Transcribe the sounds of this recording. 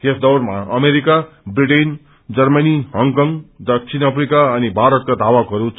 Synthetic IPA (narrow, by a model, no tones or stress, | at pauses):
jesd̪ʌwrmaʌmeɾika | briʈen | d͡zʌrmʌniɦʌŋkʌŋd̪ʌkt͡sʰinʌpʰrikaʌnibʱaɾʌt̪̚kad̪ʱawʌkɦʌɾut͡s